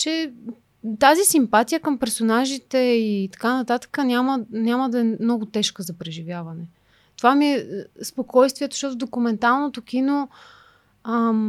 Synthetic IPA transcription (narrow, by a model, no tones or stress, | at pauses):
t͡ʃɛ | t̪azisimpat̪ijəkəmpɛɾsonaʒit̪ɛit̪ɐ̥kanɐt̪at̪ə̥kənʲamənʲjaməd̪ɐɛmnɔɡʊt̪ɛʃkəzɐpɾɛʒivjavɐnɛ | t̪ovamiɛspokɔjst̪viɛt̪o̥ʃt̪ɔt̪ʊvd̪okumɛnt̪alˠnot̪okino | ə